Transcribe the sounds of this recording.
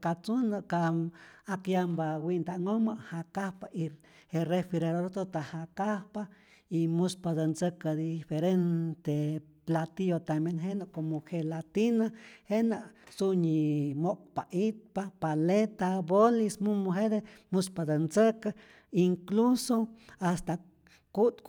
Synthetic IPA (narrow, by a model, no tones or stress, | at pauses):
kat͡sunaʔkaakjambawind̪aŋomaʔhakahpaʔi | herefiɾedoɾt̪ot̪ahakahpa | imuspad̪ent͡səkad̪ifeɾent̪e | plat̪ijot̪ambjenɦenaʔkomohelat̪inahenaʔsuɲimoʔk̚paʔit̪̚papalet̪abolismumoɦed̪emuspad̪ensəka | iŋklusoast̪a | kut̪